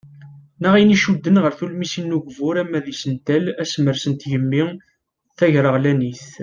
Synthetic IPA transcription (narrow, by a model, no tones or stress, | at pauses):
nəʁiniʃud̪ːənʁəɾθulmisinːuʝvʊɾæmːæðisənt̪ælæsməɾsənt̪jəmːi | θæʝɾəʁlæniθ